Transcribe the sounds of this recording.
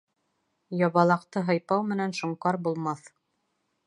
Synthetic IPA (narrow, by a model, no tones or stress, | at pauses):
jɑβɑlˠɑqt̪ɤɦɤ̆jpɑwmɘ̆nænʃŏɴqɑɾbulˠmɑθ